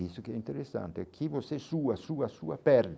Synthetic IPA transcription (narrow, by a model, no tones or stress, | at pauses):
isokɛint̪eɾesːa̰nt̪eɛkʰːivosɛsuːasuːasṵːapɛɾd̪